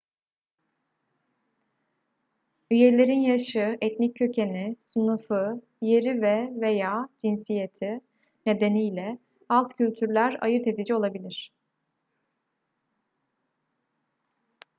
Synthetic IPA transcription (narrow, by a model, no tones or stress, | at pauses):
yje̞lʲe̞ɾinjaʃɯɛt̪nicʰːø̞cʰe̞nisɯnɯfɯ | je̞ɾivɛvejaːd͡ʒinsije̞t̪ʰi | ne̞d̪e̞nijlʲɛ | alˠt̪cʰylʲt̪ʰyɾlʲæɾa̰jɯɾt̪e̞d̪id͡ʒio̞lˠabilʲiɾ̥